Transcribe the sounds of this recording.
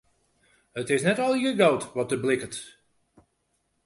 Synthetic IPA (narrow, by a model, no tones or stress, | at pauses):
ətɪsnɛtɔlˠjəɡawtʋɔt̚dəblɪkət